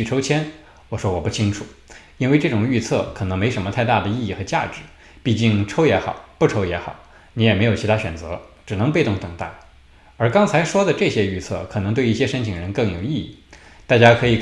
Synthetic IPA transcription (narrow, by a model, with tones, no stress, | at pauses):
y˥˩ʈ͡ʂʰo˥ʊt͡ɕʰjɛ˥n | wɔ˨˩ʂwɔ˥wɔ˨˩pu˥˩t͡ɕʰi˥ŋʈ͡ʂʰu˨˩˦ | i˥nwe˥˧ɪʈ͡ʂɤ˥˩ʈ͡ʂʊ˨˩ŋy˥˧t͡sʰɤ̰˥˩kʰɤ˨˩nɤ˧˥ŋme˧˥ɪʂə˧˥nmə˧t̪ʰa˥˧ɪt̪a˥˩d̪ə˩i˥˧i˥˩xɤ˧˥t͡ɕja̰˥˧ʈ͡ʂɻ̩˨˩˦ | pi˥˧t͡ɕi˥˩ŋʈ͡ʂʰo˥ʊjɛ˧˥xɑ̰˨˩˦ʊpu˥˩ʈ͡ʂʰo˥ʊjɛ˧˥xɑ̰˨˩˦ʊ | ni˧˥jɛ˨˩m˧˥ɪjo˨˩t͡ɕʰt̪ʰa˥ɕɥɛ˨˩nt͡sɤ̰˧˥ʈ͡ʂɻ̩˨˩nɤ˧˥ŋp̬e˥˧ɪt̪ʊ˥˩ŋt̪ɤ˨˩ŋt̪a̰˥˩ | ə˞˧˥kɑ˥ŋt͡sʰa˧˥ɪʂwɔ˥d̪ə˨ʈ͡ʂɤ˥˩ɕjɛ˥y˥˧t͡sʰɤ̰˥˩kʰɤ˨˩nɤ˧˥ŋt̪we˥˧ɪi˥˩ɕjɛ˥ʂə˥nt͡ɕʰi˨˩ŋɻə˧˥nkɤ˥˩ŋjo˨˩ʊi˥˧ḭ˥˩ | t̪a˥˩t͡ɕja˥kʰɤ˧˥i˨˩